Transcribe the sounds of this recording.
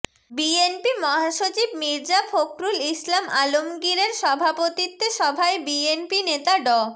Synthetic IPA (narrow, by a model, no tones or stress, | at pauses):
bienpimɔɦaʃot͡ɕibmiɾd͡ʑafokɾulislamalomɡiɾeɾʃɔbʱapot̪it̪ːeʃɔbʱaebienpinet̪aɖɔ